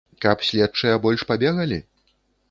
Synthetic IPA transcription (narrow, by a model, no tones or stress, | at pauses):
kɐpsʲlʲɛt̚t͡ʂɐjɐbɔlʲʂpabʲɛɣɐlʲi